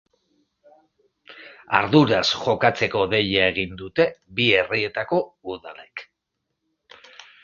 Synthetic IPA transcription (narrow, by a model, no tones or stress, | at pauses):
a̰ɾðuɾasʝo̞kat͡se̞ko̞ðe̞ʎae̞ɣ̞ind̪ut̪e̞bie̞rie̞t̪ako̞uðale̞k